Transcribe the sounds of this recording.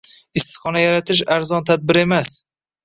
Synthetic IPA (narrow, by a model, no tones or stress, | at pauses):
ɪst̪ɨ̥χɒnajaɾat̪ʰɪʃ̬aɾzɒnt̪ʰad̪̚bɪɾe̞mas